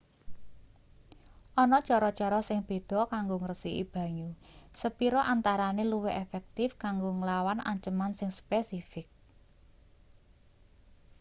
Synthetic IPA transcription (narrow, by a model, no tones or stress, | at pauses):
ʔɔnɔt͡ʃɔɾɔt͡ʃɔɾɔsɪŋb̥e̤d̪̥ɔ̤kaŋɡoŋərəsiʔḭb̥ä̤ɲusəpiɾɔʔant̪aɾaneluwɛʔefɛk̚t̪ɪfkaŋɡoŋəlawanʔa̰ɲt͡ʃəmansɪŋspesifɪk̚